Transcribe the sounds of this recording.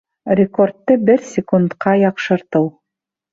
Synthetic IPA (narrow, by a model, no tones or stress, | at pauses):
rʲɪkort̪ːɤbɘɾsʲɪkunt̪qɑjɑqʃɤ̆ɾt̪ɤw